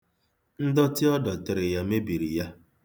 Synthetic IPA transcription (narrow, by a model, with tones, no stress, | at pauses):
n̩˦dɔ˦tɪ˦ɔ˦dɔ˨tɪ˨ɾɪ˨ja˦me˦bi˨ɾi˨ja˦